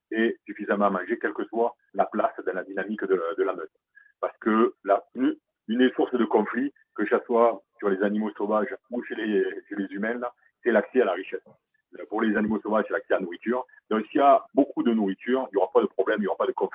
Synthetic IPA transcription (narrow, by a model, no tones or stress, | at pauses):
ɛsyfizamɑ̃mɑ̃ʒekʲɛlkəswa | laplasd̪ɑ̃lad̪inamikd̪əd̪əlamœt̪χ | paʁsə̥kəlayn | ynd̪esuʁsd̪əkɔ̃fli | kəʒaswasyʁlezanimosovaʒuʃeleʃelezymɛ̃nla | sɛlaksɛalaʁiʃɛs | puʁlezanimosovaʒsɛlaksɛaanuʁit̪yʁ | d̪ɔ̃siabokud̪ənuʁit̪ʰyʁiljoʁapad̪əpχɔblɛmiljoʁapad̪əkɔ̃fi